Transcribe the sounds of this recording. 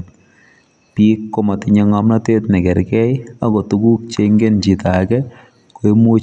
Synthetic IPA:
pi˦kːɔ˦ma˨tɪ˦ɲe˦ŋa˨mna˦te˦tnɛ˨kɛ˨ɾkɛ˦ja˦kɔ˨tu˦ɡu˦k̚t͡ʃeŋɡe˦nt͡ʃi˨ta˨˦kɛ˦ | ko˨i˦mo˦

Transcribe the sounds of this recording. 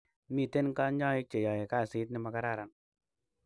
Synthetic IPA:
mi˨˧˨te˦n˦ka˦ɲa˦i˦k̚t͡ʃe˨ja˨je˨ka˦˨si˨˦t̬̚ni˧ma˨ka˦ɾa˨ɾa˨n

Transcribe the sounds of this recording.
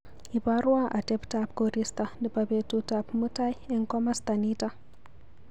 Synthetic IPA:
i˨ba˦ɾu˦wa˦ʔa˨de˦pta˨p̚ɡo˨ɾi˦sta˨di˨ba˨be˨tu˦ta˨pmu˦ta˦je˦ŋko˦ma˦sta˨ni˦ta˦

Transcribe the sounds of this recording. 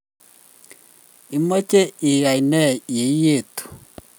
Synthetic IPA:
i˨mo˦t͡ʃe˦i˨ɣa˨i˨nɛ˦˨je˨˦je˦˨to̥˨

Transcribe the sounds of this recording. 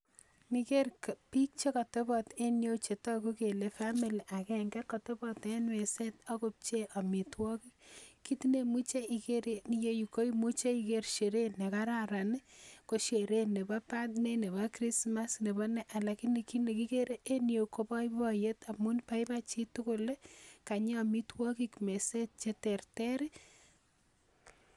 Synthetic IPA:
ni˨ke˦rkpi˦k̚t͡ʃe˦ka˨te˦bɔ˨te˦njo˦wt͡ʃe˨tɔ˦ku˦ke˨le˦fa˦mi˨li˨ʔa˨kɛŋɡɛ˦kːɔ˨te˦bɔ˦tenwe˨se˦tɔ˦ko˦p̚t͡ʃe˦ʔa˨mi˨twɔ˦ki˦ki˦tine˨mu˦t͡ʃe˦i˨ke˦ɾenije˦ju˨ko˦jmu˦t͡ʃe˦i˨ke˦ɾʃe˨ɾenːe˨ka˦ɾaɾa˨nko˦ʃe˨ɾenːe˨bapatne˦ne˨bakɾi˦sma˦sne˨bɔnɛ˦ʔa˨lakine˨ki˦ne˨ki˦ke˦ɾeʔe˦nje˨kopɔ˦i˦bɔje˦ta˨mu˦npa˦jpat͡ʃi˦tʊkʊleka˨ɲe˦a˨mi˦twɔ˦kikme˨set̚t͡ʃe˦tɛrtɛɾi

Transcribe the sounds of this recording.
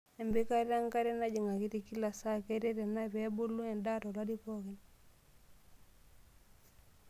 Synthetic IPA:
e˨mbi˦ka˦ɾa˦ŋka˦ɾe˦na˦ɟi˨ŋa˨ki˦ti˨ki˦la˨sa˦keɾe˦ɾe˨napebu˦lːu˦ŋe˨nda˦to˨la˦di˦poki˨n

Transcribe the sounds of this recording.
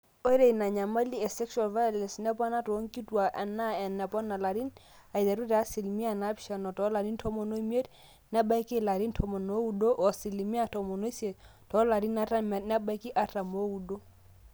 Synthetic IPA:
o˦ɾe˨i˨na˨ɲa˨ma˦li˦ɛ˨sɛ˦kʃua˨lva˦jɔ˦lɛ˨nsnɛ˦pɔ˦na˦to˨˦ŋ˦ki˦twa˨ʔɛ˨na˦ɛ˨nːɛ˨pɔ˦na˨la˨ɾi˦n | a˨i˨da˨ɾu˦ɾɛ˨a˦si˨lmi˦a˨na˦pʃa˨nɔ˨tɔ˨˦la˨ɾi˦ntʰɔ˦mɔ˨no˦i˦mi˦e˦t | nɛ˦ba˦jkɪ˦la˨ɾi˦ntʰɔ˨mɔ˨no˦u˦do˦ʔɔ˨sɪ˨li˨mi˦a˨tɔ˨mɔ˨no˦se˨tʰɔ˨˦la˨ɾi˦na˦ta˦mɛ˨nɛ˦ba˦ki˦ʔa˦ta˨mo˦u˨do˦

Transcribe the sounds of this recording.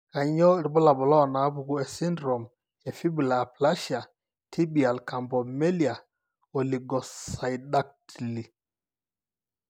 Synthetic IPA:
ka˨ɲɔ˦˨ɾi˨bɔ˦la˨bɔ˨lɔ˦˨na˨˦pu˨ku˦ɛ˨si˦ndɾɔ˨m | ɛ˨fi˦bu˨la˨a˨pla˦ʃa˨ | tʰi˦bi˨a˨lka˨mbɔ˨mɛ˦li˨a˨ | ɔ˨li˨ɡɔ˨ssa˨ida˦k̚ti˨li˨

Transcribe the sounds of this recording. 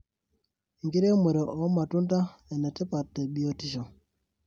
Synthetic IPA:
i˨ŋɡi˦ɾe˦me˨ɾo˨ʔɔ˨˦ma˨tu˦nta˦ɛ˨nɛ˨tɛ˦pa˨tːɛ˨ɓi˦˨o˦ti˦˨ʃo˨

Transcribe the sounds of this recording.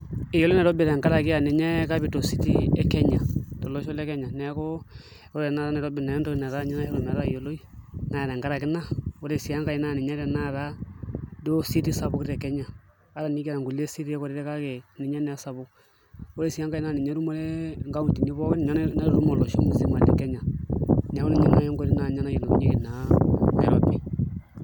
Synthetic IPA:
i˨jo˨lo˦ne˨ɾo˦bi˨ɾe˨ŋka˦ɾa˨ki˦a˨ni˨ɲɛ˦ka˦bi˨to˨si˦ti˦ɛ˨ke˦ɲa˨to˨lo˦ʃo˦le˦ke˦ɲa˨nɛ˨a˦ko˦ | o˦ɾe˨na˦ɾa˦nɛ˨ɾo˦bi˨na˨ɔ˦nto˦˨na˨ɾa˦ɲa˦na˦jo˦lo˨na˨ɾa˦i˨jo˨lo˦i˦na˨ɾe˨ŋka˦ɾa˨ki˦na˦o˦ɾe˨si˨ja˦ŋka˨i˦na˦˨ni˨ɲe˦ɾe˨na˦˨ɾa˦do˦si˦ti˦sa˨bo˦kɾe˨ke˦ɲa˨ | a˦ɾa˨ni˦kɛ˨ɾa˨ŋɡu˨le˦si˦ɾi˦ɛ˦kɔ˨ɾi˦ɾɛ˦ka˦kɛ˨ni˨ɲa˦nɛ˨a˦sa˨βo˦ | ɔ˦ɾe˦˨si˨ja˦ŋɡa˨i˦na˨ni˨ɲa˦ɾu˦mo˦lɛ˦ŋɡa˦u˦˨ti˨ni˦βɔ˦kɛ˦n˨ɲa˦nna˦ɾɾu˦mo˨lɔ˨ʃo˦mu˦zi˦ma˨ɾdɛ̰˨kɛ˦ɲa˨ɲa˨˦kɔ˦ni˦ɲa˦na˦˨jɔ˦ŋɡo˦ɾi˦na˨ɲa˦na˦jo˨lo˨˦ɲi˦ki˦˨na˨nɛ̰˨ɾɔ̰˦bi˨

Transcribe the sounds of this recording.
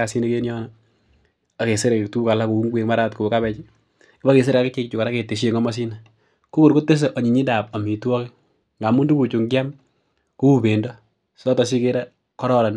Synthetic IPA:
asi˦ne˦ke˦njɔ˦nɔ | a˨ke˨se˦ɾe˨ke˨ktu˦ka˨la˦ku˨u˦ŋɡwe˨kma˦ɾa˦tku˨ka˦βɛ˦t͡ʃi˦ | ki˦ba˦ke˨s̬e˦ɾeka˦kɪ˦t͡ʃe˦kt͡ʃu˨ka˨ɾa˦ke˨te˨ʃ̬e˨ŋɔ˦ma˦s̬i˦na | ku˦ko˨ɾko˦tːe˦s̬e˨ʔɔ˨ɲi˨ɲi˦da˨p̚a˨mi˨twɔ˦ki˦ | ŋɡa˨mu˦ndu˦ku˨t͡ʃu˨ŋɡja˦m | ku˦u˦be˨ndɔ˦ | sɔ˦tɔ˨si˦ke˦ɾa˦ | kɔ˦ɾɔ˦ɾa˨n

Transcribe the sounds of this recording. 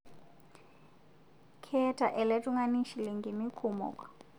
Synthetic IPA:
kʰɛ˦tʰa˨ʔɛ˨le˦tʼuŋa˦ni˦ʃiliŋɡimi˦kʰumɔ̰kʼwḁ

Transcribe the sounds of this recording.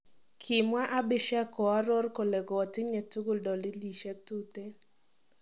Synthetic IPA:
kʰɪ˨mwa˦ʔa˦bɪ˦ʃa˦kɔ˨a˦ɾɔ˦rko˨lɛ˨ɡɔː˨tɪ˦ɲe˨tu˦ɡo˦˨ldɔ˨lɪ˦li˨ʃɛ˦k̚tu˦te˦

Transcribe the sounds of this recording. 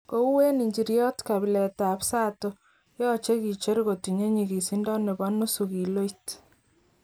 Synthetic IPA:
ko˦u˦we˦ni˨ɲd͡ʒi˨ɾjɔ˦tka˨bi˨lɛ˨ta˨psa˦to˦ | jɔ˦t͡ʃe˦ki˨t͡ʃe˦ɾko˨ti˨ɲe˦ɲi˨ki˨si˦ndɔ˦ne˨ba˦nu˦su˨ki˨lo˦jt

